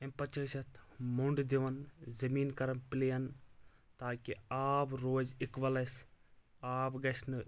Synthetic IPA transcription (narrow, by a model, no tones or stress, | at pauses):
empɐt͡ʃɐsɐt̪ʰmuɳɖd̪iʋɐnzɐmiːnkɐɾɐmpɪlijɐn | t̪aːkiaːbɾoːd͡ʒɪkʋɐlɐs | aːbɡɐsnɨ